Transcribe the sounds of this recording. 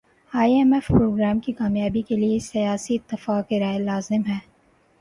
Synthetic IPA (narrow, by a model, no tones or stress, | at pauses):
aːiɛmɛfpɾoːɡɾaːmkikaːmjaːbikeliesɐjaːsiɪt̪ːɪfaːkeɾaːelaːzɪmɦɛː